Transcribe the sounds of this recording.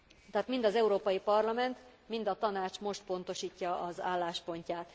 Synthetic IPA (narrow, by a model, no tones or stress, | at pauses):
t̪ɛɦːt̪mind̪ɒzɛuɾoːpɒjipɒrlɒmɛnt̪mind̪ɒt̪ɒnaːt͡ʃmo̞ʃt̪̚po̞n̪t̪o̞ʃiːcːɒɒza̰ːlːaːʃpo̞ɲcaːt̪